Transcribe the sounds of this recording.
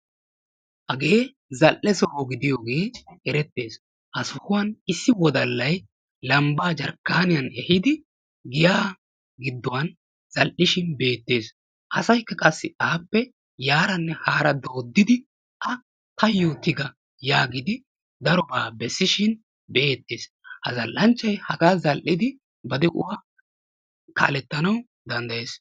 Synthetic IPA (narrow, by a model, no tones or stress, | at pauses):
ʔɐɡe̞ː | zɐlʔɛsɔhoːɡɪd̪ɪjoːɡe̞ːɛɾɛt̪ːe̞ːs | hɐsʊhʊwɐnɪsːɪwɔd̪ɐlːɐj | lɐmbaːd͡ʒɐɾkːaːnɪjɐnɛhɪd̪ɪ | ɡɪjaː | ɡɪd̪ːɔwɐn | z̥ɐlʔɪʃɪnbe̞ːt̪ːe̞ːs | ʔɐsɐjkːɐkʼɐsːɪaːpːɛ | jaːɾɐnːɛhaːɾɐd̪oːd̪ːɪd̪ɪ | ʔɐ | t̪ɐjːoːt̪ɪɡɐ | jaːɡɪd̪ɪ | d̪ɐɾɔbaːbɛsːɪʃɪn | be̞ːt̪ːeːs | hɐzɐlːɐnt͡ʃːɐjhɐɡaːzɐlʔɪd̪ɪ | bɐd̪ɛʔʊ̰wa | kɐ̰ʔːlɛt̪ːɐnɐw | d̪ɐnd̪ɐje̞ːs